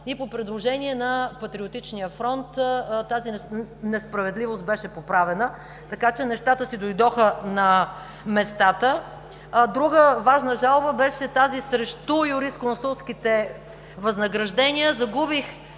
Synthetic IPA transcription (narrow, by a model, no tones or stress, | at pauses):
ipopɾɛd̪lˠoʒɛniɛnɐpɐt̪ɾiot̪it͡ʃnijəfɾɔnt̪t̪azinnɛspɾɐvɛd̪livost̪̚bɛʃɛpopɾavɛnə | t̪ɐkat͡ʃɛnɛʃt̪at̪əsid̪ojd̪ɔxənɐ | mɛst̪at̪ə | d̪ɾuɡəvaʒnəʒalˠbəbɛʃɛt̪azisɾɛʃt̪ujuɾiskonsulˠskit̪ɛ | vɐznɐɡɾɐʒd̪ɛnʲiəzɐɡubix